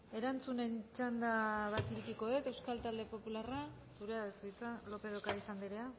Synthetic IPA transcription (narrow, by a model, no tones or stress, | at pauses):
e̞ɾant͡sune̞nt͡ʃand̪aβat̪iɾikiko̞ðet̪e̞wskalt̪ald̪e̞po̞pulara | suɾe̞aðesit͡salo̞pe̞ð̞okaisand̪iɾea